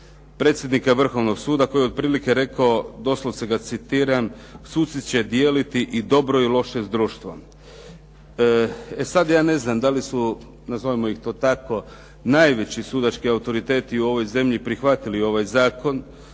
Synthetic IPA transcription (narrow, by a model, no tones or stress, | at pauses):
pɾe̞ːt̪sʲje̞d̪nikaʋr̩xo̞ʋno̞ɡsuːd̪akojeo̞d̪̚pɾiːlikeɾe̞kaod̪o̞slˠoseɡat̪sit̪iːɾam | suːt̪sit̪t͡ɕe̞d̪je̞ːlit̪iʔid̪o̞bɾo̞ilˠo̞ʃezd̪ɾuːʃt̪ʋo | esad̪jaːne̞znamd̪alisu | nazoʋimoixt̪o̞ːt̪ako̞ | najʋe̞t͡ɕisuːd̪at͡ʃkiawt̪o̞ɾit̪e̞ːt̪iuo̞ʋo̞jze̞mʎipɾixʋat̪ilio̞ʋajzaːko̞n